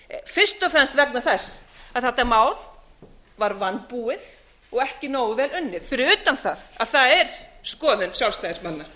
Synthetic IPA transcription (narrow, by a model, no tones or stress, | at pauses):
fɪr̥st̪ɔfɾɛnst̪vɛk̚naθɛsːaðθɛt̪ːaɾmaːwl | vaɾvant̪puːɪθ | ɔɣɛhcɪnoːwvɛːlʏnːɪðfɪɾɪʏːt̪anθaðaðθaðɛɾ̥skɔːðʏnsjawlst̪ajɪsmanːa